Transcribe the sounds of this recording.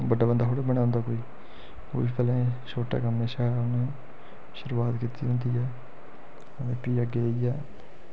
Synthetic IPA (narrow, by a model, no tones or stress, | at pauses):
bəɖaːbənd̪aːɦoːɽebəɳjaːʊ̃ːnd̪aːkoːiː | o̰ːipʰɛːlẽːʃoːʈa̰ːkɦəmeːʃaːʊnẽː | ʃʊɾuaːt̪kiːt̪iːɦʊ̃nd̪iːɛː | ənẽːpiːəɡeːiɛː